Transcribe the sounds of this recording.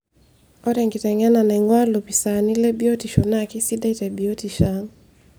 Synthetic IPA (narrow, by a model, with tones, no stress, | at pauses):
ɔ˦ɾɛ˨ŋɡi˨tɛ˨ŋɛ˦na˨nɛ˨ŋwa˦lo˨pi˨sa˨ni˦lɛ˦bi˦o˦ti˨ʃɔ˨na˦ki˦si˦da˦i˦tɛ˨bi˨o˦ti˨ʃa˨ŋ